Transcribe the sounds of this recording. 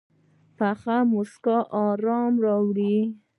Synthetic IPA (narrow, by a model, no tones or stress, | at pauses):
paχamʊskɔʔɑɾɑmɾɑwɽi